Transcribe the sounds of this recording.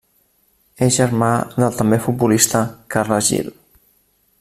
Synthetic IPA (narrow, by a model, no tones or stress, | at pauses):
ezʒəɾmaðəlˠt̪əmbefut̪̚bulist̪əkarləzʒḭl